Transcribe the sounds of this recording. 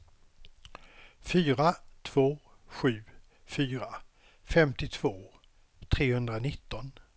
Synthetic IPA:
fyːɾat̪ʰv̥oː | ɧʉ̟ː | fyːɾa | fɛmt̪ɪt̪ʰv̥oː | t̪ʰɾeːhɵnd̪ɾanɪt̪ːɔn

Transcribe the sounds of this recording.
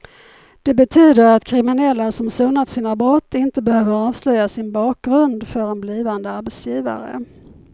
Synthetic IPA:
d̪̥ɛbɛt̪ʰyːd̪əɾat̪kʰɾɪmɪnɛlːasɔmsuːnat̪siːnabɾɔt̪ːɪnt̪əbɛhøːvəɾɑːvslœjːasɪnbɑːk̚ɡɾɵnd̪fœɾɛnbliːvand̪əaɾbɛt̪sjiːva̰ɾə̰

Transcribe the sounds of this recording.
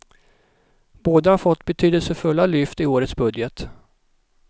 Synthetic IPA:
b̥oːd̪əhaɾfɔt̪ːbɛt̪ʰyːd̪əlsəfɵlːalʏft̪ɪoːɾət̪sbɵd̪jət̪

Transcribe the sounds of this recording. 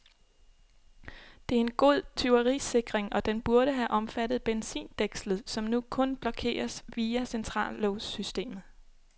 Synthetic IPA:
d̥e̝æɐe̝nɡ̥o̝ð̰ˠt͡sʰyʊɐʁiːse̝ɡ̥ʁeŋʔɒ̽d̥enb̥uɐɾ̥əɦæʔɒ̽mfæd̥ð̩ˠb̥ensḭːnd̥eɡ̥slð̞̩ˠsɒ̽mnukʰɔ̽nb̥lɒ̽kʰe̝̰ːɐsʋiːæsent͡sʰʁɑ̰̈ːlːoʊsysd̥e̝̰ːmð̩ˠ

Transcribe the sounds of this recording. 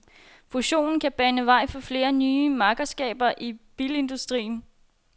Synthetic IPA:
fuɕo̝̰ːnn̩kʰæb̥ænəʋɑ̈ɪ̰fɒ̽fle̝ːɐnyːəmɑ̈ːɡ̥əɐsɡ̥ɛ̰ːb̥ɐʔib̥ile̝nd̥usd̥ʁḭːn̩

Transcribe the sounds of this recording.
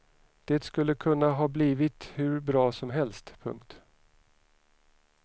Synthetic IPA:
d̪̥eːt̪skɵlːəkʰɵnːaɦɑːbliːvɪt̪hɵɾbɾɑːsɔmɦɛlst̪pʰɵ̰ŋkt̪

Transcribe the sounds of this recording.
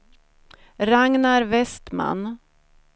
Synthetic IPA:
ɾaŋnaɾvɛst̪ma̰n

